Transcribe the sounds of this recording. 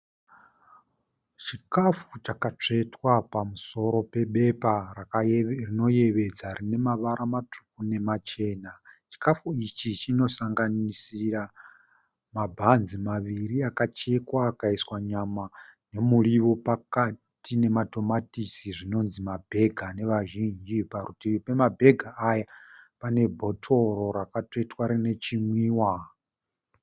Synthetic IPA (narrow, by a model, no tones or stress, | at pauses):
t͡ʃikafut͡ʃakat͡ʂe̞twapamuso̞ɾo̞pe̞ɓe̞pa | rino̞je̞ʋe̞d͡zarine̞maʋaɾʔamatʰu̥k̚une̞mat͡ʃe̞ːnat͡ʃi̥kafuit͡ʃit͡ʃino̞saŋɡanisira | mabʱanzimaʋiɾiakat͡ʃekwaːkaiswaɲamane̞muɺiβopakatine̞matʰʼo̞matisiʐino̞nzimabʱe̞ɡʱane̞ʋaʒind͡ʒiparutipe̞mabʱe̞ɡʱaʔːjapane̞bʱo̞tʰo̞ɾo̞ɾakatetwaɾine̞t͡ʃimwiːwa